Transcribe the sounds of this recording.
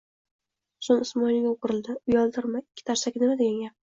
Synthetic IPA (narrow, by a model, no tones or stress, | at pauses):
sʊnɪsmɒjlɪɡʲaqʰʊɾɪlˠd̪ɪʊjɒlˠd̪ɪɾmaɪkʲʰːɪ̥t̪ʰaɾsakʲɪnɪmad̪eɡʲaŋɡʲa